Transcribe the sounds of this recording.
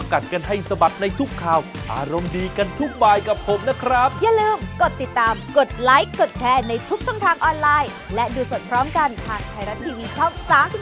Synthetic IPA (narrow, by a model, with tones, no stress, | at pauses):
a˧ka˨˩t̪̚ka˧nɦa˥˩jsa˧ba˨˩t̪̚na˧jt̪ʰu˦˥kʰːaː˨˩wʔa̰ː˧ɾo˧mdiː˧ka˧nt̪ʰu˦˥˩k̚baː˧˩jka˨˩p̚ʰo˨˦mna˦˥kʰɾa˦˥p̚jaː˨˩ŋlɯː˧mko˨˩t̪ːi˨˩t̪ːaː˧mko˨˩t̪̚laː˦˥jkːo˨˩t̪̚t͡ɕʰɛː˧na˧jt̪ʰu˦˥k̚t͡ɕʰɔː˧ŋt̪ʰaː˧ŋʔɔː˧nlaː˧j | lɛ˦˥duː˧so˨˩t̪̚pʰɾɔː˦˥mka˧nt̪ʰaː˨˩ŋ̚t̪ʰaː˧jɾa˦˥t̪ʰːiː˧wiː˧t͡ɕʰɔ˥˩ŋsaː˩˦msi˨˩